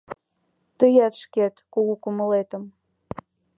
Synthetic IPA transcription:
t̪əjɑt̪ʃket̪kuɣukuməlet̪ə̆m

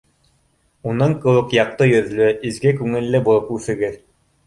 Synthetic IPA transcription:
unɤɴqɤ̆wɤqjɑq̚t̪ɤjɵ̆ðlɵʔizɡɘkʉŋɘ̆lːɘbulˠɤpʉθɘ̆ɡɘð

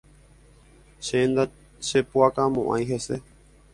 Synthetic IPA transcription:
ʃend̪a | ʃepuakamõʔã̰j̃ɦese

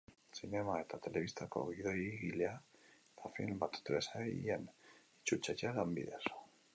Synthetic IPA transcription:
sine̞mae̞t̪at̪e̞le̞βist̪ako̞̰ɣiðo̞jiɣilea | t̪afḭlmbat̪t̪ɾesaḭenit͡ʃut͡ʃejalambiðḛs

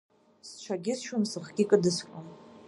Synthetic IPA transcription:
st͡ʃʷʰaɡʲɪzʃʊmsɨχɡʲikʼɨdɨskʷʼam

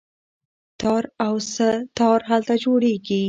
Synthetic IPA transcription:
t̪ɑɾawsət̪ɑɾɦalt̪ad͡ʒoɽeɡi

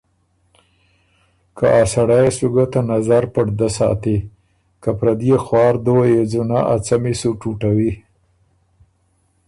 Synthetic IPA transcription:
kʰaʔasaɽajesuɡat̪anazaɾpəɽd̪asɑ̰t̪i | kapɾad̪jexwɑːɾd̪owjed͡zunaʔat͡samisuʈuʈawi

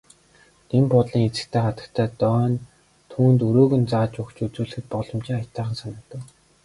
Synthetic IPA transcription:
t̪empʊt̪ɮiːŋet͡sɘ̆kt̪ʰeːχat̪ə̆kt̪ʰæːt̪œːn | t̪ʰuːnt̪ɵɾoːɣɵ̆nt͡saːt͡ɕʊkt͡ɕut͡suːɮɘ̆xɘ̆t̪̚pɔɮɞ̆mt͡ɕiːŋḁt̪aːχə̆nsanə̆kt̪ə̆k

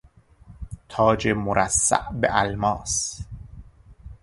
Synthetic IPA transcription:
t̪ʰɒːd͡ʒemoɾʔæsːæ̰ʔbḛʔælmɒːs

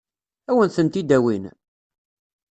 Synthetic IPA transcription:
æwənθənt̪id̪æwin

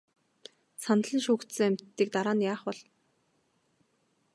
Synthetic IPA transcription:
san̆ɮə̆nʃuːkt̪sɘ̆æmʲt̪ːiːk̚t̪aɾaːnjaːχpɔɮ̥

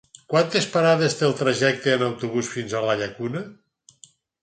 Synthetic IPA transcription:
kwant̪espaɾaðezt̪elˠt̪ɾaʒɛk̚t̪eːnawt̪uβusfinzalaʎakunə

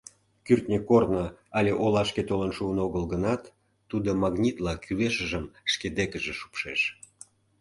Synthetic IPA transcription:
kyrt̪nʲəkornəɑlʲeʔolɑʃket̪olənʃuənoɣəlɡənɑt̪ː | ud̪omɑɣnʲit̪lɑkʰyβeʃəʒəmʃked̪ekəʒeʃu̥pʃeʃ

